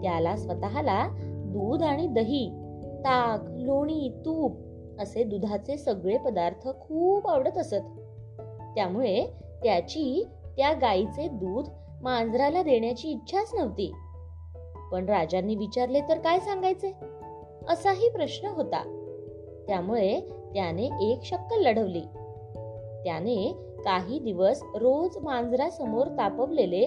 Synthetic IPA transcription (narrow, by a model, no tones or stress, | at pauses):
t̪jalasʋət̪aɦalad̪uːd̪aɽ̃id̪əɦiː | t̪akloɽ̃iːt̪uːp̚ | əsed̪ud̪ʱat͡sesəɡɭepəd̪aɾt̪ʰəkʰuːpəʋɽət̪əsət̪ː | jamuɭe | t̪jat͡ɕiː | t̪jaɡait͡sed̪uːd̪ | mand͡zɾalad̪eɳjat͡ɕiːt̪ːɕʰasnəʋt̪ḭː | pəɳɾad͡ʑanːiːʋit͡ɕaɾlet̪əɾkajsaŋɡajt͡se | əsaɦiːpɾəɕnəɦot̪a̰ | t̪jamuɭet̪janeʔekɕəkːəlːəɽəʋliː | t̪jane | kaɦiːd̪iʋəsɾod͡zmand͡zɾasəmoɾt̪apəʋlele